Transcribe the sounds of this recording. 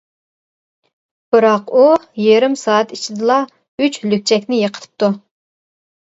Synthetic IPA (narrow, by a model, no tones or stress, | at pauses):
b̥ɨɾɑqujeɾɪmsɑːɑt̪it͡ʃʰid̪ɨlˠɑ | yt͡ʃlyk̚ʲt͡ʃʰɛkʲnɪjəqʰət̪ʰɨ̥p̚t̪u